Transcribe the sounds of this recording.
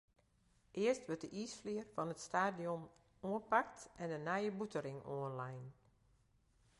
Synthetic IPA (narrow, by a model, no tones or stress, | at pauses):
ʔɪəstʋøt̚dəʔiːsflɪərfɔnətstaːdiɔn | oənpak̚tʔɛndənajəbutʰəɾɪŋoənlajn